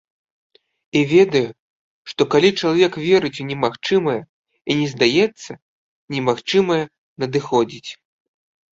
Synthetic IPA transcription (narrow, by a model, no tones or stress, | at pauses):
ivʲɛd̪ɐju | ʂt̪ɔkalʲit͡ʂɐlˠavʲɛkvʲɛɾɨt͡sʲunʲɛmaxt͡ʂɨmɐjɐ | inʲɛzd̪ajɛt̪sːɐ | nʲɛmaxt͡ʂɨmɐjɐ | nɐd̪ɨxɔd͡zʲit͡sʲ